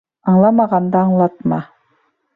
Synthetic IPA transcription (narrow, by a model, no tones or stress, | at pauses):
ɑɴlˠɑmɑʁɑnd̪ɑɑɴlˠɑt̪̚mɑ